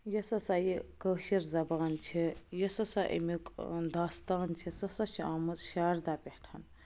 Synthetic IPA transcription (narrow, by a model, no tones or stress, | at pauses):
jɐsɐsajikəːʃiɾzɐbaːnt͡ʃʰijɐsɐsaʔḭmikd̪aːst̪aːnt͡ʃʰisɐsɐt͡ʃʰiaːmɐzʃaːɾd̪aːpʲehʈʰan